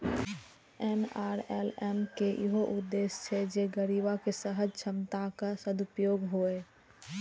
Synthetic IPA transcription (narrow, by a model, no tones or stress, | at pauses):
ɛnaːɾɛlɛmkeʔḭɦoʔʊd̪ːest͡ʃʰɛd͡ʒeɡəɾibakesəɦəd͡ʒt͡ʃʰəmt̪akasəd̪upjoːɡɦoe